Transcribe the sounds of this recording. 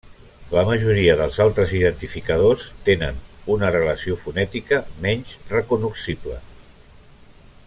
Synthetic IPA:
ləməʒuɾiəðəlˠzalˠt̪ɾəziðənt̪ifikəðost̪enə̰nunərələsiofunɛt̪ikəmɛnzrəkunuksiblə̰

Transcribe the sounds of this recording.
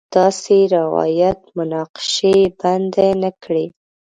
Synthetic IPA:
d̪̥ɑseɾɪwɑ̰jat̪mʊnɑqɪ̥ʃeband̪enakɽe

